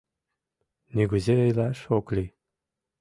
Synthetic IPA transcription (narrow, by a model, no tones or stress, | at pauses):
nyɡəzeəjlæʃoklʲi